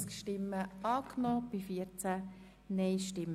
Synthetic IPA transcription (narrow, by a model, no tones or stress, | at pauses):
skʃtɪmːəʔɑːknɔːb̥ifiəɾt͡sæ | nɛɪʃtɪm